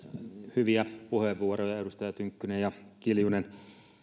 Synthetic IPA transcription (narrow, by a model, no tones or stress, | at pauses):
hyʋiæpuheʋʋuorojɑedust̪ɑjɑt̪yŋkːynejjɑkiljunen